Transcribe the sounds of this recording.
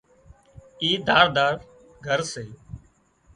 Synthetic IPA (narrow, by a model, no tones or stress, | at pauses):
iːd̪aːɾd̪aːɾ | ɡʱəɾseː